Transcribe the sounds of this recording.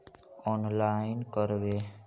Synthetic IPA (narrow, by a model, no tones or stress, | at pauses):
ɔnlainkəɾbe